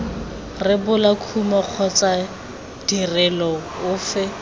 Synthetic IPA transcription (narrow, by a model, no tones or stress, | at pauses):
rɪbʊlakʰumaq͡χʰɔt͡sa | d̥irɛlɔʊːfɪ